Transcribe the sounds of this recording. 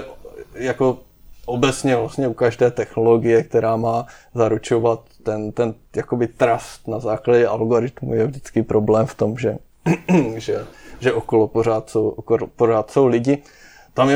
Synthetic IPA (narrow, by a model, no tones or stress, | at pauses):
jako̞ | ʔobɛt͡sɲɛvlast̪ɲɛukaʒdɛːt̪ɛxnolo̞ɡɪjɛk̚t̪ɛɾaːmaːzaɾut͡ʃo̞vat̪ːɛnt̪ɛn | jakobɪt̪ɾast̪nazaːklaɟɛʔalɡoɾɪt̪mṵjɛvdɪt͡skɪpɾoblɛːmft̪o̞mʒɛ | ʒɛʒɛʔokolopoɾaːt̪sowʔokopoɾaːt̪so̞wlɪɟɪ | t̪amjɛ